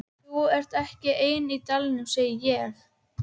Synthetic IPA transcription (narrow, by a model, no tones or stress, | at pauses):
θuɛr̥t̪ɛhcɪʔeːjnit̪alnʏmseːjɪjɛx